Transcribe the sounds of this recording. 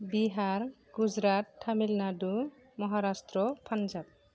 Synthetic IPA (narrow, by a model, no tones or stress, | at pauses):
biɦaɹ | ɡud͡ʒɾattʰːamilnadu | mɔɦaɾastɾɔpʰand͡ʒab̚